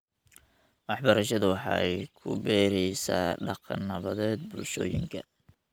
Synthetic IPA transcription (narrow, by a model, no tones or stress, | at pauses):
wɑħbɐɾɐʃɐðɐwɑħɑ̰ːɛjkʰʊ̰bɛːɾɛjsa̰ːɖɑqɑ̰nːɐβɐðɛːd̪̚bʊlʃɔ̰ːjɪ̰ŋkʰɐ